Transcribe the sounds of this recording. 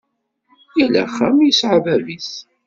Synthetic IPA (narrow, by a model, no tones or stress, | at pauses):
jilæ̰χːæmjəsʕavævis